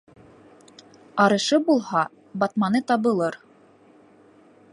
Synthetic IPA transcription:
ɑɾɤ̆ʃɤbulˠhɑ | bɑt̪mɑnɤt̪ɑβɤ̆lˠɤɾ

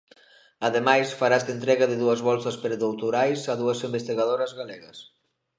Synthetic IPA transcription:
aðemajsfaɾazd̪ent̪ɾɛɣaðɪðuɐzβɔlsɐspɾeðowt̪uɾajsɐðuɐsimbest̪iɣaðoɾɐzɣalɛɣɐs

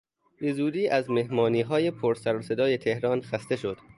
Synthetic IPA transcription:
be̞zuːd̪iːʔæzme̞hmɒːniːɦɒːje̞pʰoɾsæɾose̞d̪ɒːje̞t̪ʰe̞hɾɒːnxæst̪e̞ʃo̞d̪̥

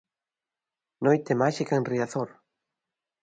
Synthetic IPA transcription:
nojt̪emaʃikenriaθoɾ

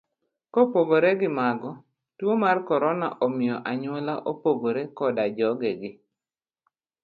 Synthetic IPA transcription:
kopoɡoɾeɡɪmaɡɔ | twomarkɔɾɔna̰ʔɔmɪjɔʔaɲwɔlaʔopoɡoɾekɔdad͡ʒɔɡeɡɪ

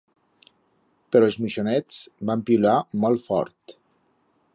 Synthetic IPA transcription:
pəɾɔezmiʃonɛt͡sbampiulamɔlˠfɔ̰ɾt̪

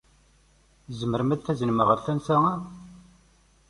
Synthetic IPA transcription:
zəməɾmæd̪θæzənəməʁəɾθænθææ

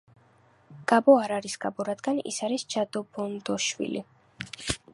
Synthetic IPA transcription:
ɡ̥abɔaɾaɾisɡ̥abɔɾad̪ɡanḭsaɾist͡ʃad̪ɔbɔnd̪ɔʃwḭlḭ

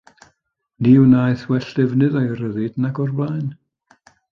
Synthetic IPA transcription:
niːunajθwɛɬd̥ɛvnɨðajɾəðɪdnaɡɔrblajn

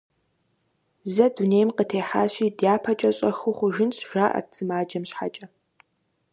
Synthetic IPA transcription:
zɐduneːjmqətʰeːħaːɕʷiːdjaːpʰɐt͡ʃʼɐɕʼɐxʊχʷʊʒɪnɕʒaːʔɐ̰rt͡sʰɨmaːd͡ʒɐmɕħa̰t͡ʃʼɐ

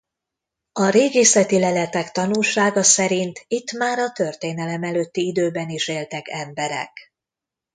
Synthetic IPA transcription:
ɒɾeːɡeːsɛt̪ilɛlɛt̪ɛkt̪ɒnulʃaːɡɒsɛɾint̪ʰit̪ːmaːɾɒt̪ø̞rt̪eːnɛlɛmɛløːt̪ːiid̪øːbɛniʃeːlt̪ɛkɛmbɛɾɛ̰k

